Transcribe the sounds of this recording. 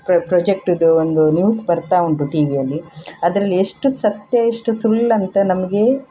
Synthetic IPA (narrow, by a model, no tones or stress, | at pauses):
ppɾoːd͡ʒek̚ʈud̪uond̪unjuːsbɐɾt̪aːuɳʈuʈiːʋijɐlːiɐd̪ɾɐlːieʂʈusɐt̪jɐeʂʈusulːɐnt̪ɐnɐmɐɡe̞